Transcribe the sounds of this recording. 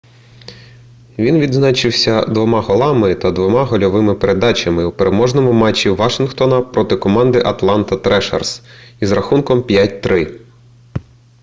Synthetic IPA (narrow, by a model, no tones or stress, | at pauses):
ʋʲinʋʲid̪znɑt͡ʃɪwsʲɐd̪ʋɔmɑɦɔlˠɑmɪt̪ɐd̪ʋɔmɑɦɔlʲɔʋɪmɪpeɾʔe̞d̪ɑt͡ʃɐmɪwpeɾʔemɔʒnɔmʊmɑt͡ʃʲːiʋɑʃɪnxt̪ɔnɐpɾɔt̪ɪkɔmɑnd̪ɪʔɐt̪lˠɑnt̪ɐt̪ɾɛʃɛ̰rsizrɐxunkɔmpʲjat̚ʲt̪ɾɪ